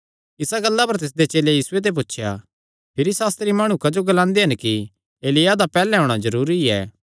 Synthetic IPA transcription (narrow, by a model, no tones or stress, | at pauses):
ɪsaɡɐlːapɐɾt̪ɪs̬d̪et͡ʃeːlejiːsʊet̪̬ep̬ʊtːʃʰja̰ | pʰɪɾisaːst̪ɾimaːɽ̃ũkɐd͡ʒoɡɐlãːnd̪eɦɐnki | eːlɪjad̪apɛːlɛɦõːɽ̃azɐɾuːɾiɛ̰ː